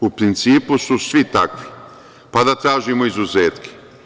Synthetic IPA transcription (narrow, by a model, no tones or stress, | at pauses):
upɾint̪siːpususʋit̪akʋi̥ | pad̪at̪ɾaːʒimoizuzeːt̪ki̥